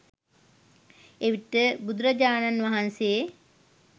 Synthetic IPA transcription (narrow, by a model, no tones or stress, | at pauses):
eʋiʈəbud̪uɾɐd͡ʒaːnanʋaɦanseː